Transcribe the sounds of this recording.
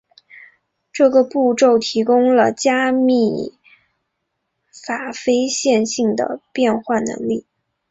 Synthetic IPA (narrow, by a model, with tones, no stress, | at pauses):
ʈ͡ʂɤ˥˩ɡə˩pu˥˧ʈ͡ʂo˥˩ʊt̪ʰi˧˥kʊ˥ŋlə˨t͡ɕja˥mi˥˩ | fa˨˩fe˥ɪɕjɛ˥˧nɕi˥˩ŋd̪ə̰˩pjɛ˥˧nxwa˥˩nɤ̰˧˥ŋli˥˩